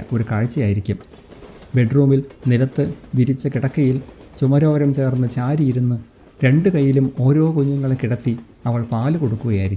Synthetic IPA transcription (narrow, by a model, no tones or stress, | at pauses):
o̞ɾukaɻit͡ɕːɐjaːjiɾikʲːum | beɖruːmilnilɐt̪ːɨʋiɾit͡ɕːɐkiɽɐkːɐjil | t͡ɕumɐɾo̞ːʋɐɾɐmt͡ɕe̞ːrnːɨt͡ɕaːɾijiɾunːɨ | ɾe̞ɳɖɨkɐjːilumo̞ːɾo̞ːkuɲːuŋːɐɭekiɽɐt̪ːi | ɐʋɐɭpaːlɨko̞ɽukːuɣɐjaːjiɾikː